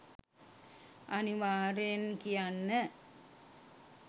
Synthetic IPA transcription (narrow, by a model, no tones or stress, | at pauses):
ʔɐniʋaːɾenkijanːə